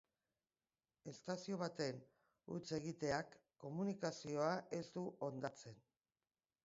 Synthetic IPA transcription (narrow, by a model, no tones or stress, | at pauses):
e̞st̪asio̞β̞at̪e̞n | ṵt͡se̞ɣ̞it̪e̞akː | o̞munikasio̞aʔe̞st̪uʔo̞nd̪at͡se̞n